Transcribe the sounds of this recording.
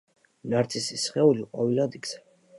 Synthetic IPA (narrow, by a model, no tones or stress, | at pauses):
naɾt̪sʰisisχɛuliqʼɔvilad̪iɡz̥ɛ